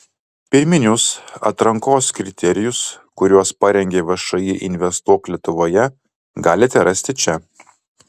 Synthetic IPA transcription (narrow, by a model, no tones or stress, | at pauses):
pʲɪɾʲmʲɪnʲʊsɐ̰t̪ɾɐŋkoːskɾʲɪt̪ʲɛɾʲɪjʊs | kʊɾʲuɔspɑɾʲɛŋʲɡʲeːʋɐʃɐjɪʔɪnʲʋʲɛst̪uɔklʲiɛt̪ʊʋoːjɛ | ɡɑːlʲɪt̪ʲɛɾɐsʲt̪ʲɪt͡ʃʲɛ